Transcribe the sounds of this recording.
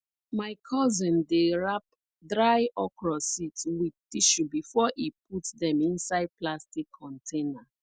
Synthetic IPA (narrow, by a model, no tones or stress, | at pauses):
maɪkʰɔzĩndeɹap̚ | dɾaɪʔɔkɹɔsitwip̚tiʃubifɔʔip̚utdɛ̃mĩnsaɪd̚plastikʰːɔ̃ntʰena